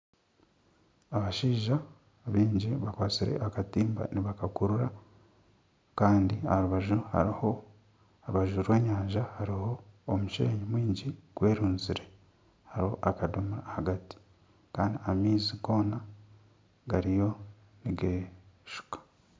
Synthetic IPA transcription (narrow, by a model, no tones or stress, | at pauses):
aβaʃiːʒa | βiːɲɟiβakwaːt͡siɾe̞̰ʔakatiːmba̰niβakakuɾuɾa | kaːndia̰ɾuβaʒuha̰ɾiho | ɾuβaʒuɾwe̞ːɲaːɲʒahaɾiho̞ːmuʃḛːɲimwiːɲɟiɡ̥we̞ːɾuːnziɾe̞ | haɾiho̞ʔakadumuɾahaɡati̥ | kaːndiamiːziɡo̞ːna | ɡaɾijo̞ | niɡeːʃu̥kḁ